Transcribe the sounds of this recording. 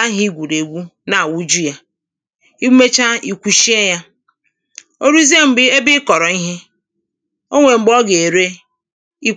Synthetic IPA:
a˦ɦi˦ɡʷu˨ɾe˨ɡʷu˦na˨wu˦d͡ʒu˦ja˦ | i˦me˦t͡ʃa˦i˨kʷu˨ʃi˦e˦ja˦ | o˦ɾu˦zi˦e˦m̩˨be˦bɪ˦kɔ˨ɾɔ˨i˦ɦe˦ | o˦ŋʷe˨ŋ͡m̩˨ɡ͡bɔ˦ɡe˨e˨ɾe˦ | i˦

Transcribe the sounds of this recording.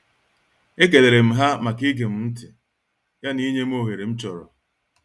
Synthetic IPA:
e˦ke˨de˨ɾe˨m̩˦ɦa˦ma˨ki˦ɡe˨m̩˦n̩˦tɪ˨ | ja˦ni˦ɲe˦m˦o˦˨ɦe˨ɾe˨m̩˦t͡ʃɔ˨ɾɔ̰˨

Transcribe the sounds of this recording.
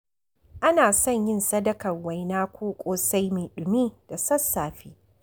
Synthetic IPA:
ʔa˦naː˨sɔ˦˨ɲjɪ˦nsɐ˦dɐ˦kɐ˨rwa˨jnaː˦kʷoː˦kʷʼoː˦sa˦jmeː˨ɗʊ˨miː˦d̥a˨sɐ˦sːaː˨ɸiː˦

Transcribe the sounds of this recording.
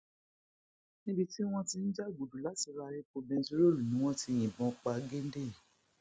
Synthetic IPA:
nĩ˦bi˧ti˦w̃ɔ̃˦ti˧n̩˦d͡ʒa˦˨ɡu˨du˨la˨˦ti˨˧ɾa˧ɾe˧k͡po˧bɛ̃˧˦zi˦ɾo˦˨lu˨nĩ˨˦w̃ɔ̃˦ti˧j̃ĩ˨bɔ̃˨˦k͡pa˧ɡe˦n˦de˦˨

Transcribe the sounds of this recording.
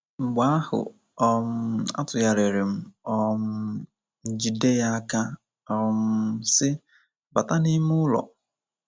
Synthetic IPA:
ŋ͡m̩˨ɡ͡ba˦a˦hʊ̰˨ | ɔ˦m̩˦a̰˦tʊ˨ja˨ɾe˨ɾe˨m̩˦ɔ˦m̩˦˨ | d͡ʒi˨de˦ja˦a˦ka˦ | ɔ˦m̩˦sɪ˦ | ba˨ta˦nɪ˦mʊ˦lɔ̰˨

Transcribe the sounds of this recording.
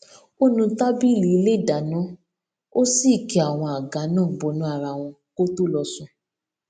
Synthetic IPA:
o˦nũ˧ta˦bi˦li˨˦i˧le˦˨da˨nɔ̃˨˦ | o˦si˦˨kɛ˨a˨w̃ɔ̃˧a˨ɡa˨˦nãː˦˨bɔ˨˧˦nũ˨˦a˦˨ɾa˧w̃ɔ̃˧ | ko˦to˦lɔ˧sũ˧

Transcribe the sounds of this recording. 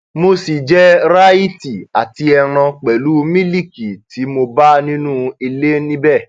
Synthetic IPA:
mo˧si˨d͡ʒɛ˦ɾa˦i˦˨ti˨a˨ti˧ɛ˧ɾ̃ã˧k͡pɛ˨lu˨˦mĩ˦li˦˨ki˨ti˨˦mo˧ba˦nĩ˦nũ˦i˧le˦nĩ˦bɛ˦˨

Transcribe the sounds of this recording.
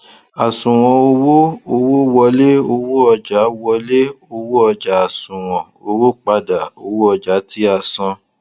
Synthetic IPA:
a˨sũ˨w̃ɔ̃˨o˧wo˦o˧wo˦wɔ˧le˦o˧wo˦ɔ˧d͡ʒa˨˦wɔ˧le˦o˧wo˦ɔ˧d͡ʒa˨a˨sũ˨w̃ɔ̃˨ | o˧wo˦k͡pa˧da˨o˧wo˦ɔ˧d͡ʒa˨˦ti˦a˧sã˧

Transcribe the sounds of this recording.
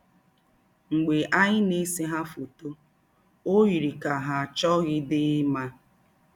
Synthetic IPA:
ŋ͡m̩˨ɡ͡be˨ʔa˦ɲɪ˦ne˦se˦ɦa˦fo˨to˦ | o˦wi˨ɾi˨ka˨ɦa˨t͡ʃɔ˦ɣɪ˦dɪ˦ma˦

